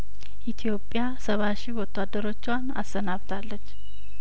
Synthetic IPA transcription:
ʔit̪ʰijo̞pʼːjasəβaʃiwɔt̪ʰːad̪əɾo̞t͡ʃːwana̰sənaβt̪ʰalːət͡ʃː

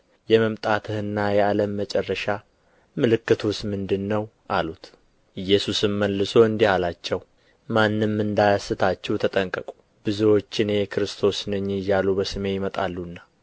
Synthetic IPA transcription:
jɛməmt̪ʼat̪ʰɨhɨnːajɛaləmːət͡ʃʼɛrːəʃa | mɨlɨkːɨt̪ʰusmɨnd̪ɨnːəwʔalut̪ | ʔɨjːɛsusɨmməlːɨso̞ɨnd̪ihalat͡ʃːɛw | manːɨmːɨnd̪ajasɨt̪ʰat͡ʃːɛwt̪ʰət̪ʼəŋkʼəkʼu̥ | b̥ɨzəwo̞t͡ʃːɪneɛkʰɨɾɨst̪ʰo̞snəɲːɪjalubəsɨme̞jɪmət̪ʼa̰lːunːa

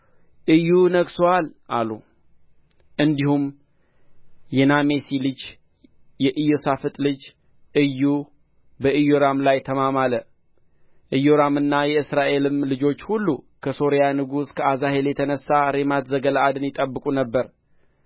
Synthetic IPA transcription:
ʔɨjːunəksoalʔalu | ʔɨnd̪ihum | jɛname̞silɨd͡ʒ | jɛʔɨjosafɨt̪ʼlɨd͡ʒ | ʔɨjːu | bəɨjoɾamlajt̪ʰəmamalə | ʔɨjoɾamɨnːajɛɨsɾaʔe̞lɨmlɨd͡ʒo̞t͡ʃːhulːukʰəso̞ɾijanɨɡuskʰəazahe̞ljɛt̪ʰənəsːaɾe̞mat̪zəɡəlaːd̪ɨnjɪt̪ʼəbːɨkʼunəbːəɾ

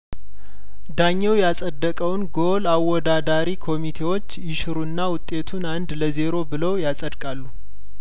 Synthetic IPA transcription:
d̪aɲːɛwjasʼəd̪ːəkʼəwnɡo̞lawɔd̪ad̪aɾikʰo̞mit̪ʰe̞wo̞t͡ʃːjɪʃɨɾuɨnːawʊt̪ʼːe̞t̪ʰunand̪ləze̞ɾo̞bɨləwjasʼəd̪kʼalːu

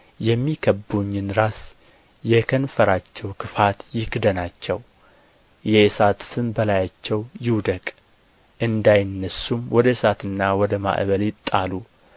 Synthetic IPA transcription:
jɛmːikʰəbːuɲːɪnɾas | jɛkʰənfəɾat͡ʃːɛwkʰɨfat̪jɪkd̪ənat͡ʃːɛw | jɛsat̪fɨmbəlajat͡ʃːɛwjɪwd̪əkʼ | ʔɨnd̪ajɪnːəsumwʔɔd̪əsat̪ɨnːawɔd̪əma̰ʔβəljɪt̪ʼːalu

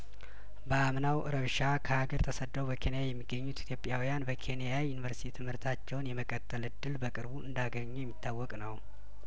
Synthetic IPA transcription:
bəamnawʔɨɾəβʃakʰəaɡəɾt̪ʰəsəd̪ːəwbəkʰe̞njajɛmːiɡːəɲːut̪it̪ʰjo̞pʼjawijanbəkʰe̞nijajunivəɾsi̥t̪ʰit̪ʰɨmhɨɾt̪ʰat͡ʃːɛwnjɛməkʼət̪ʰʼːəlɨd̪ːɨlbəkʼɨɾbuʔɨ̰nd̪aɡəɲːujɛmːit̪ʰːawːɔkʼnəw

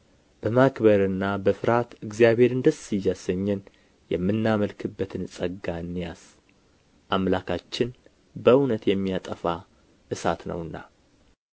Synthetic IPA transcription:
b̥əmakbəɾɨnːabəfɨɾat̪ɨɡzijaβhe̞ɾɨnd̪əsɨjːasəɲːɛn | jɛ̰mːɨnːaməlkʰɨbːət̪ʰɨnsʼəɡaɨnːijas | ʔamlakʰat͡ʃːɪn | bəwnət̪jɛmːijat̪ʼəfa | ʔɨsa̰t̪nə̰wɨnːa̰

